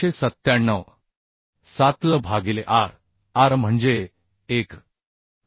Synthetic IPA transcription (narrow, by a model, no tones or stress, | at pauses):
esət̪ːjaɳːəʋ | sat̪ləbʱaɡileʔaɾ | aɾm̤əɳd͡ʑeː | k